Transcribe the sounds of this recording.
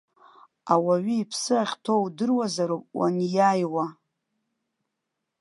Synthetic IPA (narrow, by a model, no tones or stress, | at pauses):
awaɥiːpʰsɨaχʲtʰo̞wdɨrwazaɾopʼwa̰njajwa